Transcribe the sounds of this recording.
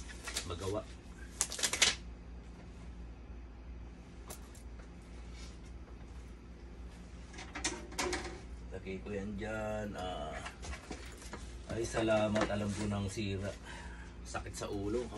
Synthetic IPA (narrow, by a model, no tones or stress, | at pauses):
mɐɡɐwaʔ | t̪ɐkikʊjand͡ʒanaː | ʔajsɐlaːmat̪ɐlamkonɐŋsiːɾaʔ | sɐkɪt̪̚sɐʔuːlo